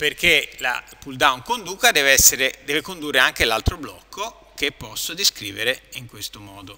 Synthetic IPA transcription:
perkela̰puld̪awnkond̪uːkad̪ɛːveɛsːeɾed̪ɛːvekond̪urːeaŋkelalt̪ɾoblɔkʰːo | k̟epːɔsːod̪iskɾiːveɾeiŋkwest̪omɔːd̪o

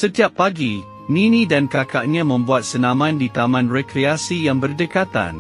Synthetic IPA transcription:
sət̪iapːaɡi | nĩnĩdankakaʔɲãmə̃mbuat̪̚sənãmãndit̪amãnrekɾeasijaŋbərdəkat̪a̰n

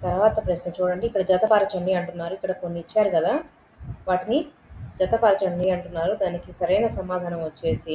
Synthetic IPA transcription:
t̪ɐɾuʋaːt̪ɐpɾɐsnɐt͡ʃuːɽɐɳɖiːkːɐɽɐd͡ʒɐt̪ɐpaːɾɐt͡ʃɐɳɖiɐɳʈunːaːɾuikːɐɽɐkonːiit͡ʃːaːɾukɐd̪aː | ʋaːʈini | d͡ʒɐt̪ɐpaɾɐt͡ʃɐɳɖiɐɳʈunːaːɾud̪aːnikisɐɾɐjnɐsɐmːaːd̪ʱaːnɐmʋɐt͡ʃːe̞ːsi

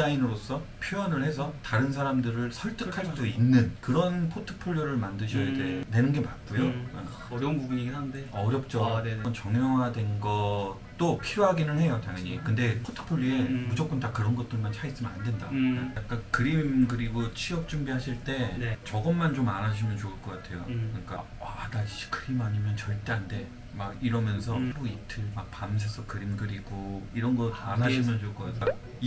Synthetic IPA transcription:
ainɯɾos͈ʰʌpʰiʌnɯɭhe̞s̬ʰʌtaɾɯnsʰaɾamdɯɾɯɭsʰʌɭt͈ɯkʰaɭs͈uinːɯnkɯɾʌnpʰotʰɯ̥pʰoʎjoɾɯɭmandɯɕʰʌjade̞de̞nɯnɡe̞mak͈ujo | ɾnɡuɡuiɡindeʌɾjʌp̚t͡ɕ͈ʌɡnt͡ɕʌŋjʌŋɦadwe̞nɡʌ | t͈opʰijoɦaɡinɯnhe̞jotaŋjʌɲḭkɯnde̞pʰotʰɯ̥pʰoʎːie̞mud͡ʑok͈ɯntakɯɾʌnɡʌt͈ɯɭmant͡ɕʰais͈ɯmɯnande̞nda̰jak̚k͈ankɯɾimɡɯɾiɡot͡ɕʰiʌp̚t͡ɕ͈uŋbiɦaɕʰiɭt͈e̞t͡ɕʌɡʌnmːant͡ɕomanaɕʰimjʌnt͡ɕouɭk͈ʌk͈atʰe̞jo̰kɯɲik͈a̰wadaɕʰi̥kɯɾimaɲimjʌnt͡ɕʌɭt͈e̞ande̞ | maɡiɾʌmjʌnsʰʌbuitʰɯɭmak̚pams̬ʰesʰʌkɯɾimɡɯɾiɡoiɾʌnɡʌtanaɕʰimjʌnt͡ɕoɭk͈ʌka̰tʰe

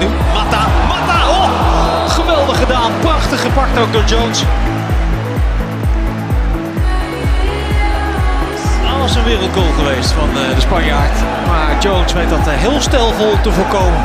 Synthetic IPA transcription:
u | matamatao | χəʋɛlˠdəχədaːnprɑχtəχəpɑk̚towk̚dʊːɹd͡ʒowns | aːʋɑsənʋɪːrəlˠt̚ɡoːlˠχəʋejstfɑnədəspɑɲjaːɹt | maːɹd͡ʒownsʋejtɑtɦɪːlˠstɛlˠvɔlˠtəvʊːɹkowmən

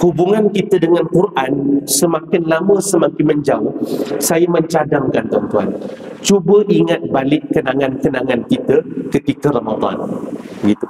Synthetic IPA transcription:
hubuŋankit̪ədəŋãnkurʔansəmakɪnlamə̃səmakɪnmə̃ɲd͡ʒaʊsajaməɲt͡ʃadaŋkant̪ɔnt̪ua̰n | t͡ʃubəʔiŋat̪̚balɪʔkːənaŋankənaŋankit̪əkət̪ikəɾamad̪a̰nbəɡit̪u

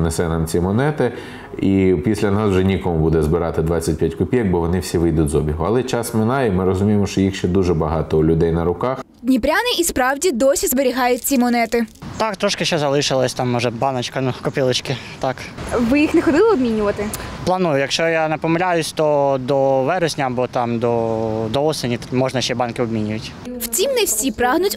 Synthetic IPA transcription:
nesɛnɑmt͡sʲimɔnɛt̪ɪ | ipʲisʲlʲɐnɑswʒɛnʲikɔmʊbud̪ɛzbɪɾɑt̪ɪd̪ʋɑt͡sʲːɐt̚ʲpʲjatʲkʊpʲiɐk̚bɔʋɔnɪwsʲiʋɪjd̪ʊtʲzɔbʲiɦʊɐlˠɛt͡ʃɑsmɪnɑjɛmɪɾɔzʊmʲijemɔʃt͡ʃɔjixʃt͡ʃɛd̪uʒɛbɐɦɑt̪ɔʊlʲʊd̪ɛjnɐɾʊkɑx | dʲnʲipɾʲanɪʔispɾɑwdʲid̪ɔsʲizbeɾʲiɦɑjʊt̚ʲt͡sʲimɔnɛt̪ɪt̪ɑkt̪ɾɔʃkɪʃt͡ʃːɛzɐlˠɪʃɪlˠɐsʲt̪ɑmːɔʒɛbɑnɐt͡ʃkɐnukɔpʲilˠɪt͡ʃkɪt̪ɑkʋɪjixnɛxɔd̪ʲilˠɪɔbʲmʲinʲʊʋɐt̪ɪplˠɐnujʊjɐkʃt͡ʃɔjanɛpɔmɪlʲajʊsʲt̪ɔd̪ɔʋɛɾɔsʲnʲɐɐbɔt̪ɑmd̪ɔd̪ɔɔsenʲimɔʒnɐʃt͡ʃɛbɑnkɪɔbmʲinʲʊjʊtʲ | wt͡sʲimnɛwsʲipɾɑɦnʊtʲ

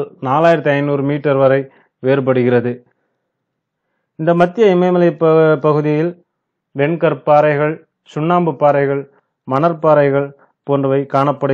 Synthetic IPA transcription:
lnaːlaːjɪɾɐt̪ːiɐɪnnuːɾɯmiːʈːɐɾʋɐɾɐɪ | ʋeːɾp̬ɐɽɯɣɪrɐðɯ | ɪnd̪ɐmɐt̪ːɪjɐɪmɐɪmɐlɐɪppːɐɣɯðɪjɪl | ʋɛɳkɐɾpːaːɾɐɪɣɐɭ | sʊɳːaːmbɯpːaːɾɐɪɣɐɭ | mɐnɐɾpːaːɾɐɪɣɐɭ | poːndrɐʋɐɪkaːɳɐpːɐɽɯ

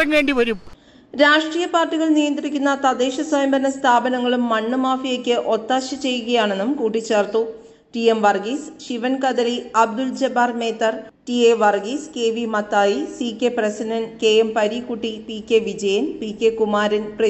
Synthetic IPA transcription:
ɐnʋeːɳɖiʋɐɾum | ɾaːʂʈrijɐpaːrʈːiɣɐɭnijɐnd̪rikʲːunːɐt̪ɐd̪eːɕɐswɐjɐmbɐnɐst̪ʰaːbɐnɐŋːɐɭumːɐɳːɨmaːfijekʲːɨʔo̞t̪ːaːɕɐt͡ɕe̞jːuɣɐjaːɳe̞nːumkuːʈːit͡ɕːe̞ːrt̪u | ʈiemʋɐrɡiːsɕiʋɐnkɐd̪ɐliɐb̚d̪uld͡ʑɐbaːrme̞ːt̪ːɐr | ʈieʋɐrɡiske̞ːʋimɐt̪ːaːjisikʲːeprɐsiɖɐnke̞jempɐɾikːuʈːipikʲːe̞ʋid͡ʑɐjɐnpikʲːe̞kumaːɾɐnprɐ

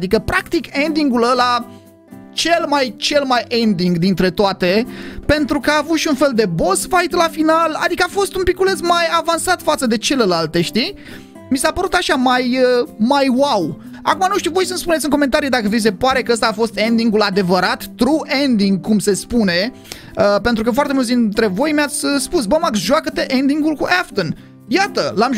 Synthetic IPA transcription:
d̪ikəpɾakt̪ike̞nd̪iŋɡuləla | t͡ʃe̞lmajt͡ʃe̞lmajʔend̪iŋɡd̪int̪ɾe̞t̪oat̪e̞pe̞nt̪ɾukəaːvut̪ʃiunfe̞ld̪e̞bo̞sfajt̪lafinala̰d̪ikəafo̞st̪umpikulezmajavansat̪fat̪səd̪e̞t͡ʃe̞le̞lalt̪eʃt̪i | misapəɾut̪aʃamajəmajwaw | akumanuʃt̪uvo̞jsənspunesʲiɨŋko̞me̞nt̪aɾid̪akəvis̬e̞paɾe̞kəəst̪aːfo̞st̪e̞nd̪iŋɡulad̪e̞vəɾat̪ːɾuʔend̪iŋɡ̚kumse̞spune̞ | əpe̞nt̪ɾukəfoart̪emult̪sd̪int̪ɾe̞vo̞jmjat̪sʲəspusbəmaksʒoakət̪e̞ʔend̪iŋɡulkuʔaft̪ən | jat̪əlam

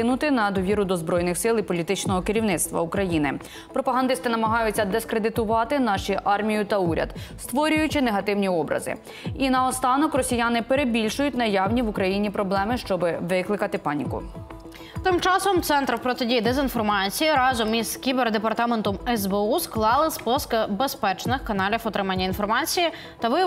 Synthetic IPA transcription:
ɪnʊt̪ɪnɐd̪ɔʋʲiɾʊd̪ɔzbɾɔjnɪxsɪlˠipɔlʲit̪ɪt͡ʃnɔɦɔkɪɾʲiwnɪt̪st̪ʋɐ̰ukɾɐjinɪ̰ | pɾɔpɐɦɐnd̪ɪst̪ɪnɐmɐɦɑjʊt͡sʲːɐd̪eskɾed̪ɪt̪ʊʋɑt̪ɪnɑʃiʔɑrmʲijʊt̪ɐuɾʲɐ̰d̪̥st̪ʋɔɾʲʊjʊt͡ʃɪneɦɐt̪ɪwnʲiɔbɾɐ̰zɪ̰ | inɐɔst̪ɑnɔkrɔsʲijɑnɪpeɾebʲilʲʃʊjʊtʲnɐjɑwnʲiʋʊkɾɐjinʲipɾɔblˠɛmɪʃt͡ʃɔbɪʋɪklˠɪkɐt̪ɪpɑnʲḭkʊ̰ | t̪ɪmt͡ʃɑsɔmt̪sɛnt̪ɾrpɾɔt̪edʲijd̪ɛzinfɔrmɑt͡sʲijiɾɑzɔmizkʲiberd̪epɐrt̪ɑment̪ɔmɛzbeusklˠɑlˠɪspɔskɐbespɛt͡ʃnɪxkɐnɑlʲiwɔt̪ɾɪmɐnʲːɐinfɔrmɑt͡sʲiji | t̪ɐʋɪ

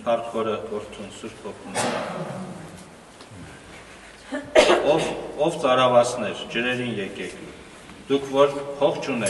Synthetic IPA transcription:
pʰɑrt̪ʰχɔɾəɔɾt̪ʰunsuɾt̪pʰɔpʰnɛɑ | ɔɔvt͡sɑɾɑvɑsnɛɾd͡ʒəɾɛɾinjɛkɛkʰ | d̪̥ukʰvɔɾpʰɔχt͡ʃʰunɛ

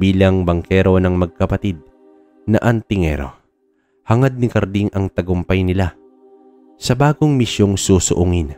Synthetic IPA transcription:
biːlɐŋbɐŋkɛɾo̞nɐŋmɐɡ̚kɐpɐt̪id̪̚ | nɐ̰ʔɐnt̪ɪŋɛ̰ɾo̞̰ | hɐŋad̪̚nɪkɐɾd̪iŋʔɐŋt̪ɐɡʊmpɐjnɪla | sɐbaːɡoŋmɪʃjoŋsuːsʊʔʊŋɪn

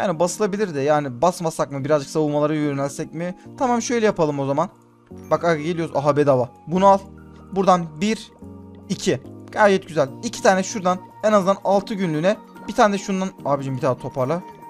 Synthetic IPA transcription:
ja̰ːnibasɯlˠabilʲiɾd̪ɛjaːnibasmasakmɯbiɾazd͡ʒɯksavɯmalˠaɾɯjøɾynælʲsɛc̚mɪt̪ʰamamʃø̞jlʲɛjapʰalˠɯmo̞zaman | bakajaɟe̞lʲijoɾuzaɦabɛd̪avabunualˠ | buɾd̪anbiɾ | icʰiɡ̥ajd͡ʒɛt̪̚ɟyzælʲicʰi̥t̪ʰaːnɛʃuɾd̪anenaznd̪analˠt̪ʰɯɟynlʲyːnɛ | bit̪ʰaːnɛd̪ɛʃund̪anaːbiʃimbit̪ʰaːnɛt̪ʰo̞pʰaɾlˠa

